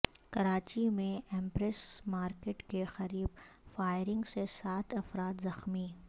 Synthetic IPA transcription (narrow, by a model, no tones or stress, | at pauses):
kɐɾaːt͡ʃimẽɛ̃ːmpɾɛsmaːɾkeʈkexɐɾiːb | faːɪɾɪ̃ŋɡsesaːt̪ʰɐfɾaːt̪zɐxmi